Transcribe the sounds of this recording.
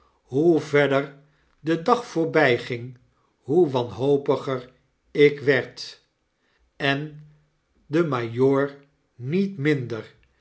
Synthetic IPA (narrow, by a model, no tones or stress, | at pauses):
ɦuvɛdər | dədɑχfʊːɹbɛjχɪŋ | ɦuʋɑnɦowpəχəɹ | ɪkʋɛɹt | ɛn | dəmajoːɹ | nitmɪndəɹ